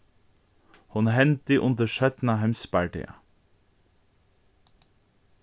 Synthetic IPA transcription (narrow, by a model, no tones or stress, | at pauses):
hʊnhɛnt̪ɪʔʊnd̪əʃœt̪naɦɛmspæɹɖɛ̰ːa̰